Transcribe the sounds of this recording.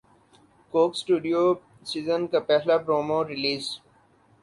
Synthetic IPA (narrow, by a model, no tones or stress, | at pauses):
koːksʈuːɖijo | siːzənkapɛɦlapɾoːmoːɾɪliːz